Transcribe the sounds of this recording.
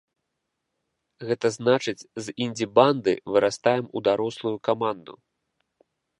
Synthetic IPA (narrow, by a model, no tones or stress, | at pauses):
ɣɛt̪ɐznat͡ʂɨt͡sʲzinʲdʲiband̪ɨ̰vɨɾʔast̪ajɛmud̪aɾɔslˠujukamand̪ṵ